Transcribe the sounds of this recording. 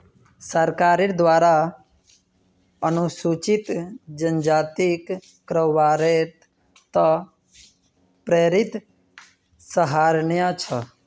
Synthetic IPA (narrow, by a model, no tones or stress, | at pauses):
səɾkaːɾiɾd̪ʋaːɾa | ənusut͡ʃit̪d͡ʒənd͡ʒaːt̪ikː | ɾəʋaːɾe | t̪ə | pɾeːɾɪt̪ | səɦaːɾɳjat͡ʃʰə